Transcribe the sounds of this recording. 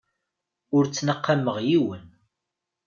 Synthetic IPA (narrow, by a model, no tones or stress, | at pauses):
ʊɾt͡sːnəqːaməʁjiwən